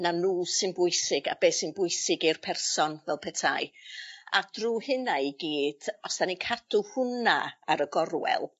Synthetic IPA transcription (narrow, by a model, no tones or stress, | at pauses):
nanuːsɨnbʊɨsɪɡa̰beːsɨnbʊɨsɪɡirpʰɛrsɔnvɛlˠpʰɛtʰaja̰d̥ruːhɨnaiɡiːd̥ɔsd̥anikʰadʊhʊnaaɾəɡɔrwɛ̰lˠ